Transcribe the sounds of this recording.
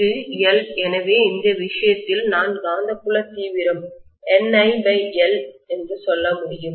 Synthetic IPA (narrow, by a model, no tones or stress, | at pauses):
ɯɛlɛnɐʋeːɪnd̪ɐʋɪʂɐjɐt̪ːɪlnaːnɡaːnd̪ɐkːʊɭɐt̪iːʋɪɾɐm | ɛnɐɪbɐɪɛlɛndrɯsɔlːɐmʊɽɪjɯm